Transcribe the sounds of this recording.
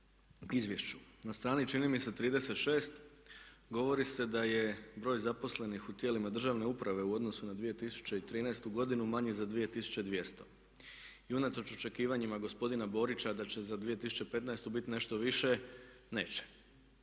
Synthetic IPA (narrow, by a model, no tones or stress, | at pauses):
izʋje̞ʃt͡ɕunast̪ɾaːnit͡ʃinimise̞t̪ːɾiːd̪e̞se̞t̪ʃe̞ːst̪ | ɡo̞ʋo̞ɾise̞d̪aje̞bɾo̞ːjzapo̞sle̞nixut̪je̞ːlimad̪ɾr̩ʒaʋne̞upɾaʋe̞uo̞d̪no̞sunad̪ʋije̞t̪isu̥t͡ɕe̞it̪ɾiːnaest̪uɡo̞d̪inumaɲezad̪ʋije̞t̪isu̥t͡ɕe̞d̪ʋje̞st̪o̞ | iunat̪ɾo̞t͡ʃo̞t͡ʃe̞kiːʋaɲimaɡo̞spo̞d̪inabo̞ːɾit͡ɕad̪at͡ɕe̞zad̪ʋije̞t̪isu̥t͡ʃepe̞t̪naest̪ubit̪ine̞ʃt̪o̞ʋiʃe̞ | ne̞̰ːt͡ɕe̥